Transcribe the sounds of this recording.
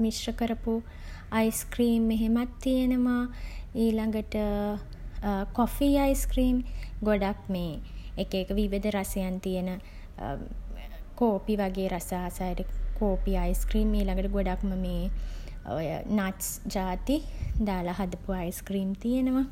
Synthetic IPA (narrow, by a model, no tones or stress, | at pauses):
misrəkəɾəpu | ajskriːmːeɦemat̪ːijenəʋaiːlaŋɡəʈə | kɔfiːajskriːmɡoɖak̚meːkeːkəʋiʋid̪əɾasejant̪ijenə | koːpiʋaɡeːɾasaːsajʈəkoːpiajskriːmiːlaŋɡəʈəɡoɖakməmeː | o̰jə̰naʈsd͡ʒaːt̪id̪aːlaɦad̪əpuajskriːmt̪ijenəʋa